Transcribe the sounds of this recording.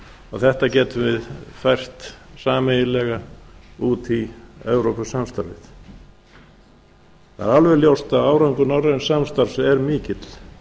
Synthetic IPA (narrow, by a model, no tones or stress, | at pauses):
ɔɣθɛht̪acɛːt̪ʏmvɪðfajr̥t̪saːmejɪlɛɣauːt̪iɛwɾowpasamst̪a̰ɾvɪ̰θ | θa̰ɾalvɛɾljowst̪aðaːwɾawŋkʏnawɾansamst̪aɾ̥sɛɾmiːcɪt̪l̥